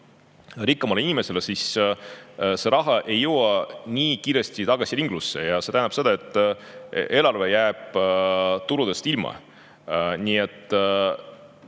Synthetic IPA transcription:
ɾikːˑɑmɑleinimese̞lesis | se̞ɾɑɦɑʔe̞jːɤwɑniːkiːɾjest̪it̪ɑɡ̥ɑsiɾiŋɡ̥lusːe̞̰jɑse̞t̪æjnɑpse̞d̪̥ɑe̞t̪ːˑ | eːlɑrve̞jæːb̥ | t̪uɾud̪e̞st̪ilmɑ̰ | niːe̞t̪ːˑ

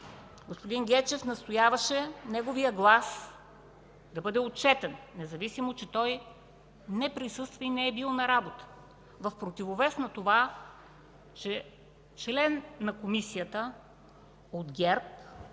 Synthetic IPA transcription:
ɡospod̪inɡʲɛt͡ʃɛfnɐst̪ojavəʃɛnɛɡovijəɡlˠas | d̪ɐbɤd̪ɛot̪̚t͡ʃɛt̪ɛnːɛzɐvisimot͡ʃɛt̪ɔj | nɛpɾisɤst̪vɐinɛɛbilˠnɐɾabot̪ə̥ | vɐfpɾot̪ivovɛsnɐt̪ova | t͡ʃɛ | t͡ʃlɛnːɐkomisijət̪ə | od̪ɡʲɛɾp̚

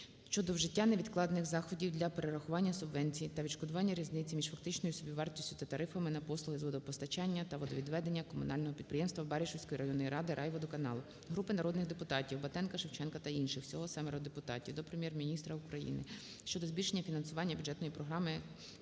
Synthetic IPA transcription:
ʃt͡ʃɔd̪ɔwʒɪtʲːanɛʋʲid̪klˠɑd̪nɪxzɑxɔdʲiwd̪lʲɐpeɾeɾɐxʊʋɑnʲːɐsʊbʋɛnʲt͡sʲijit̪ɐʋʲiʃkɔd̪ʊʋɑnʲːɐɾʲiznɪt͡sʲimʲiʒfɐk̚t̪ɪt͡ʃnɔjʊsʲɔbʲiʋɑrt̪ʲisʲtʲʊ̥t̪ɐt̪ɐɾɪfɐmɪnɐpɔslˠʊɦɪzʋɔd̪ɔpɔst̪ɐt͡ʃɑnʲːɐt̪ɐʋɔd̪ɔʋʲid̪ʋɛd̪enʲːɐkɔmʊnɑlʲnɔɦɔpʲid̪̚pɾɪjɛmst̪ʋɐbɛɾʲiʃɔwsʲkɔjiɾɐjɔnːɔjiɾʔɑd̪ɪɾʔɑjʋɔd̪ɔkɐnɑlˠʊ | ɦɾupɪnɐɾɔd̪nɪxd̪epʊt̪ɑtʲiwbɐt̪ɛnkɐʃɪwt͡ʃɛnkɐt̪ɐinʃɪxwsʲɔɦɔsɛmeɾɔd̪epʊt̪ɑ̰tʲiwd̪ɔpɾemʲjɛrmʲinʲist̪ɾɐʊkɾɐjḭnɪ̰ | ʃt͡ʃɔd̪ɔzbʲilʲʃe̞nʲːɐfʲinɐnsʊʋɑnʲːɐbʲjʊd̪d͡ʒɛt̪nɔjipɾɔɦɾɑmɪ

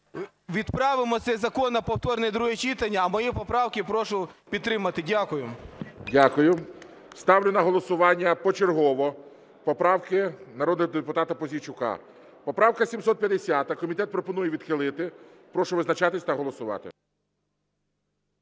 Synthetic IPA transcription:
ʋʲid̪pɾɑʋɪmɔt̪sɛzɐkɔnɐpɔwt̪ɔrnɛjd̪ɾuɦet͡ʃit̪ɐnʲːɐːmɔjipɔpɾɑwkʲɪpɾɔʃʊpʲid̪t̪ːɾɪmɐt̪ɪdʲakʊjʊdʲakʊjʊ | st̪ɑwlʲʊnɐɦɔlˠɔsʊʋɑnʲːɐpɔt͡ʃerɦɔʋɔ | pɔpɾɑwkɪnɐɾɔd̪nɔɦɔd̪epʊt̪ɑt̪ɐpɔzʲit͡ʃʊkɑ̰ | pɔpɾɑwkɐsʲimsɔt̪̚pʲjɐd̪esʲat̪ɐkɔmʲit̪ɛt̪̚pɾɔpɔnujɛʋʲid̪xɪlˠɪt̪ɪ | pɾɔʃʊʋɪznɐt͡ʃɑt̪ɪsʲt̪ɐɦɔlˠɔsʊʋɑ̰t̪ɪ̰

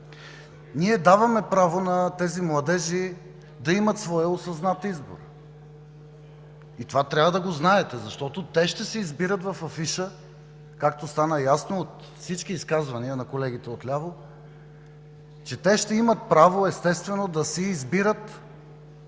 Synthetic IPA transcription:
niɛd̪avɐmɛpɾavonɐt̪ɛzimlˠɐd̪ɛʒi | d̪ɐimət̪svɔjɛosɐznat̪izbo̰ɾ | it̪ovat̪ɾʲavəd̪ɐɡoznaɛt̪ɛzɐʃt̪ɔt̪ot̪ɛʃt̪ɛsɛizbiɾət̪vɐfɐfiʃə | kak̚t̪ost̪anəjasnoːt̪ | fsit͡ʃk̟iːskazvɐniənɐkolɛɡ̟it̪ɛot̪lʲavo | t͡ʃɛt̪ɛʃt̪ɛimət̪̚pɾavoɛst̪ɛst̪vɛnod̪ɐsɛizbiɾət̪

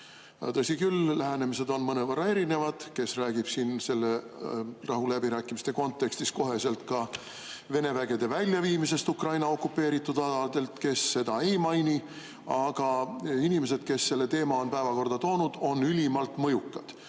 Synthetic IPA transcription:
jt̪ɤsikyllæɦæne̞mise̞d̪o̞nmɤnevɤrːɑe̞ɾine̞vɑd̪̥ke̞sræːɡ̥ib̥sinse̞lːe̞rɑɦulæbiɾæːkːˑimist̪e̞ko̞nt̪ːˑe̞kst̪isko̞ɦe̞se̞lt̪kɑ | ve̞ne̞væɡ̥e̞d̪̥e̞vælʲːjɑviːmise̞st̪ukrɑjnɑo̞kːˑupːe̞ːɾit̪ːˑud̪̥ɑd̪ɑld̪e̞lt̪ke̞sːe̞d̪ɑe̞jmɑjni | ɑɡ̥ɑinime̞s̬e̞d̪̥ke̞sːe̞lːe̞t̪e̞ːmɑo̞npæevɑko̞rd̪̥ɑt̪o̞ːnud̪̥o̞nylʲimɑlt̪mɤjukːˑɑd̪̥

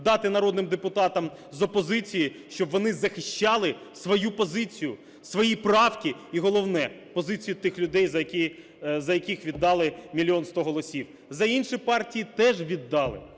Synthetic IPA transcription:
d̪ɑt̪ɪnɐɾɔd̪nɪmd̪epʊt̪ɑt̪ɐm | zɔpɔzɪt͡sʲijiʃt͡ʃɔbʋɔnɪzɐxɪʃt͡ʃɑlˠɪ | sʋɔjupɔzɪt͡sʲijʊ | sʋɔjiprɑwkʲiiɦɔlˠɔwnɛ | pɔzɪt͡sʲijʊt̪ɪxlʲʊd̪ɛjzɐkʲi | zɐjɐkʲixʋʲid̪ːɑlˠɪmʲilʲiɔnst̪ɔɦɔlˠɔsʲiw | zɐinʃipɑrtʲijit̪ɛʒʋʲid̪ːɑlˠɪ̰

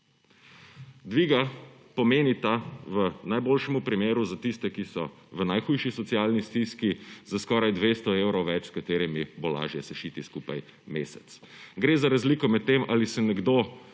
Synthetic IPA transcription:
d̪ʋiːɡa | pɔmeːnit̪aʋənajboːlʃɛmupɾimeːɾuzat̪ist̪ɛkisɔ | ʋənajxujʃisɔt̪sijalnist̪iskizaskɔːɾajd̪ʋeːst̪ɔewɾɔwʋɛt͡ʃskat̪eːɾimibola̰ʒjɛsɛʃiːt̪iskuːpa̰j | meːsɛt̪s | ɡɾeːzaɾazliːkɔmɛt̪ːemʔaːlisɛnɛɡd̪o

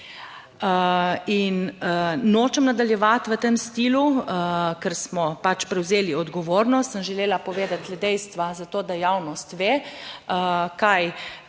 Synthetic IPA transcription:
əin | noːt͡ʃɛmnad̪aljɛʋat̪ʋət̪emst̪iːlu | kɛɾsmɔpat͡ʃpɾɛwzeːliɔd̪ɡɔʋoːɾnɔst̪səmʒɛleːlapɔʋeːd̪at̪lɛd̪ɛjst̪ʋazat̪oːd̪ajawnɔst̪ʋeːəkaj

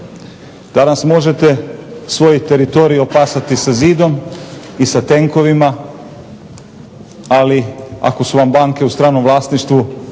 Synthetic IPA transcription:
d̪̥anasmo̞ʒe̞t̪e̞sʋo̞jit̪e̞ɾit̪o̞ɾijio̞paːsat̪isaziːd̪o̞m | isat̪e̞ŋko̞ʋima | alia̰ko̞suʋambaːŋke̞ust̪ɾaːnomʋlˠaːst̪niʃt̪ʋu

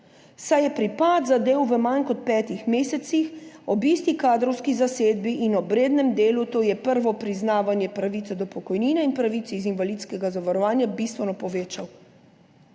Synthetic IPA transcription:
sajɛpɾipad̪zad̪eːwʋəmankɔt̪̚pɛːt̪ixmeːsɛt̪sixɔbiːst̪ikaːd̪ɾɔwskizaseːd̪biʔinɔbɾeːd̪nɛmd̪eːlut̪oːjɛpəɾʋɔpɾiznaːʋanjɛpɾaʋit̪sɛd̪ɔpɔkɔjniːnɛinpɾaʋit̪sɛizinvalit̪skɛɡazaʋaɾɔʋaːnjabist̪ʋɛnɔpɔʋeːt͡ʃaw

